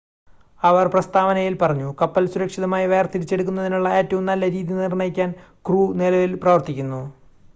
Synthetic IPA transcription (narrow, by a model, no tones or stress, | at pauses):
ɐʋɐrprɐst̪aːʋɐnɐjilpɐrɐɲːukɐpːɐlsuɾɐkʂiðɐmaːjiʋe̞ːrt̪iɾit͡ɕːe̞ɽuk̬ːunːɐðinuɭːɐeːtːuʋumnɐlːɐɾiːðinirɳɐjikʲːaːn | kruːnilɐʋilprɐʋɐrt̪ikʲːunːu